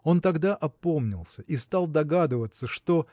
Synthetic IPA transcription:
o̞nt̪ɐɡd̪aʔɐpo̞mnʲɪ̰lˠsʲəʔist̪alˠd̪ɐɡad̪ɨvət̪sːəʂt̪o̞

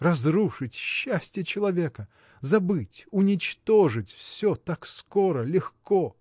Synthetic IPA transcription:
rɐzɾuʂɨtʲɕːæsʲtʲɪjət͡ɕɪlˠɐvʲekə | zɐbɨtʲʊnʲɪt͡ɕt̪oʐɨtʲfsʲot̪akskoɾəlʲɪxko

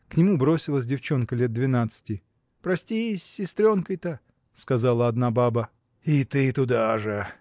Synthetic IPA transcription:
knʲɪmubɾo̞sʲɪlˠəs̬ʲdʲɪft͡ɕo̞nkəlʲet̪̚d̪vʲɪnat̪sɨ̥tʲɪ | pɾɐsʲtʲisʲːɪst̪ɾʲo̞nkəjt̪ə | skɐzalˠəɐd̪nababə | it̪ɨt̪ʊd̪aʐɨ

